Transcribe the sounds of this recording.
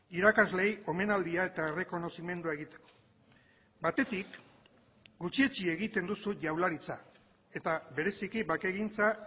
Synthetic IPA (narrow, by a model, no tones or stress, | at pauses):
iɾakazle̞jo̞me̞nald̪iae̞t̪aere̞ko̞no̞sime̞nd̪uae̞ɣit̪e̞̥ko̞̥ | bat̪e̞t̪ik | ɡut͡ʃie̞t͡ʃie̞ɣit̪e̞nd̪usuʝawlaɾit͡sa | e̞t̪aβe̞ɾe̞sikibake̞ɣint͡sa